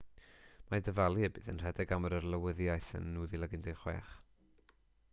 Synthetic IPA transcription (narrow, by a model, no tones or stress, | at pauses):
madəvalˠɨəbɨːðənr̥ɛdɛɡaməɾərlˠəwəðjajθə̰nːuːðilˠəɡɪndeχwɛ̰ːχ